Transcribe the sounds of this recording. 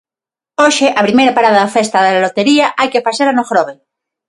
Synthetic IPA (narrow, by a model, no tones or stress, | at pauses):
oʃeʔapɾimejɾapaɾaðaðafest̪aðelalot̪eɾiaʔajkefasaɾanoxɾoβe